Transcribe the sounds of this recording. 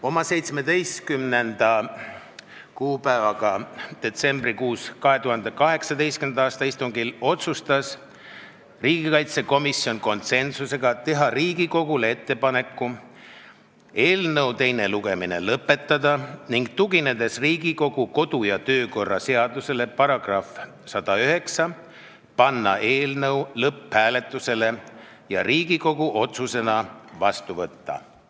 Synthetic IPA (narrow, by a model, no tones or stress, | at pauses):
o̞mɑse̞jt̪sme̞d̪e̞jst̪kymne̞nd̪̥ɑ | kuːpævɑɡɑd̪̥e̞t̪se̞mb̥rikuːskɑɦe̞t̪uɦɑnd̪e̞kɑɦe̞ksɑd̪e̞jst̪kymnd̪ɑːst̪ɑist̪uŋɡilo̞t̪sust̪ɑs | riːɡikɑjt̪se̞ko̞misio̞nko̞nt̪se̞nsuse̞ɡ̥ɑt̪e̞ɦɑriːɡiko̞ɡulee̞t̪ːe̞pɑne̞kːu | e̞ːlnɤwt̪e̞jne̞luɡ̥e̞mine̞̰lɤpːˑe̞t̪ːˑɑd̪̥ɑniŋɡ̥t̪uɡine̞d̪̥e̞sriːɡ̥iko̞ɡ̥uko̞d̪̥ujɑt̪ø̞ːko̞rːɑse̞ɑd̪use̞le̞pɑɾɑɡ̥rɑf | sɑd̪̥ɑyɦe̞ksɑ | pɑnːɑ̰ʔe̞ːlnɤwlɤphæːle̞t̪ːˑuse̞le̞ | jɑ̰riːɡ̥iko̞ɡ̥uʔo̞t̪suse̞nɑvɑst̪uvɤt̪ːɑ̰